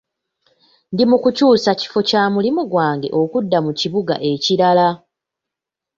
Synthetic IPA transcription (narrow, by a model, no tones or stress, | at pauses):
ndimukucuːsaci̥fo̞caːmulimuɡwaːŋɡe̞̰ʔo̞kudːamuciβuɡa̰ʔe̞ciɾala